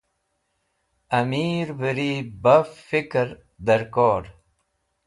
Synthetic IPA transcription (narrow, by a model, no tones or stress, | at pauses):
ɐmiːɾbəɾiːbɐffikɾ | d̪ɐɾkoːɖ